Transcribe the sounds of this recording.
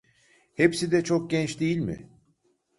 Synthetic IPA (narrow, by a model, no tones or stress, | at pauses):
hepsid̪ɛt͡ʃʰok̚ɟɛnt͡ʃd̪ejilʲmɪ̰